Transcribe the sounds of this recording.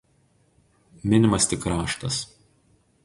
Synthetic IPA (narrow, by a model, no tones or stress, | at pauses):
mʲɪnʲɪmɐst̪ʲɪkːɾɑːʃt̪ɐs